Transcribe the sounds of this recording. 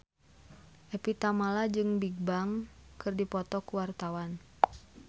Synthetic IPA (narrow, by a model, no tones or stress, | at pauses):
ʔɛpit̪amalad͡ʒɨŋbiɡ̚baŋkɨrdipɔt̪ɔkuwart̪awan